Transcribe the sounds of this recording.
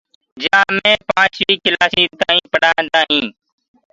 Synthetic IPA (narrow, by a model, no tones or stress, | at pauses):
d͡ʒãːmẽːpãːt͡ʃʋiːkɪlaːsiːt̪aːĩːpəɽaːnd̪aːɦĩː